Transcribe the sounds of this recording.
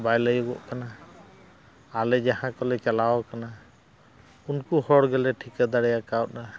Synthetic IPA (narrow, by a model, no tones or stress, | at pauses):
bajləjɔɡɔʔkana | alɛd͡ʒaɦãkɔlɛt͡ʃalaɔkana | unkuhɔɽɡɛlɛʈʰikad̪aɽjakawt̚na